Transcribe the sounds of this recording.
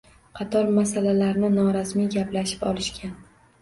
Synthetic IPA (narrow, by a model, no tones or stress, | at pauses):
qʰɑt̪ʰɒɾmasalalaɾnɪnɒɾasmijɡʲaplaʃɪ̥pɒlɪʃkʲan